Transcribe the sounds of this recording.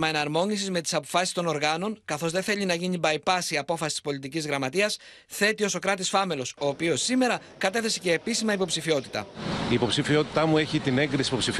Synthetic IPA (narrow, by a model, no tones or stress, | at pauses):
mɐenɐɾmo̞nisizme̞t̪i̥sɐpo̞fɐsist̪o̞no̞ɾɣɐno̞ŋkɐθo̞zðe̞θe̞ʎinɐʝinibɐjpɐsiɐpo̞fɐsi̥t̪i̥spo̞lit̪icizɣɾɐmɐt̪iɐs | θe̞t̪io̞so̞kɾɐt̪isfɐme̞lo̞so̞ːpio̞sːime̞ɾɐ | kɐt̪e̞θe̞se̞ce̞ːpisimɐipo̞psifiot̪i̥t̪ɐ̰iːpo̞psifio̞t̪i̥t̪ɐmue̞çit̪ine̞ŋɡɾisipo̞psif